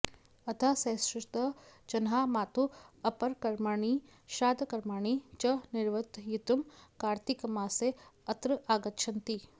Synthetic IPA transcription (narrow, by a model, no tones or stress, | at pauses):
ɐt̪ʰasɐːsɾɪʂt̪ɐt͡ʃɐnɦaːmaːt̪uɐpɐɾkɐɾmaːɳi | ʃaːd̪ɐkɐɾmaːɳit͡ʃɐniɾʋɐt̪jit̪umkaːɾt̪ikɐmaːseɐt̪ɾɐaːɡɐtːʃʰɐnt̪i